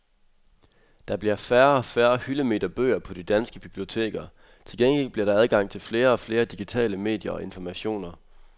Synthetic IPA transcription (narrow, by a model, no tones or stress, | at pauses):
d̥ɑ̈b̥liɐfæɐɒfæːɐhyləme̝d̥ɐb̥ø̰ːɐpʰɒ̽d̥id̥ænsɡ̥əb̥ib̥lio̝t͡sʰe̝̰ːɡ̥ɐ | t͡sʰe̝lɡ̥eŋɡ̥el̰b̥liɐɾ̥ɑ̈æð̞ˠɡ̥ɑ̈ŋ̰t͡sʰe̝lfle̝ːɐɒ̽fle̝ːɐd̥iɡ̥it͡sʰɛ̰ːləme̝̰ːd̥jɐɒ̽e̝nfɒmæɕo̝̰ːnɐ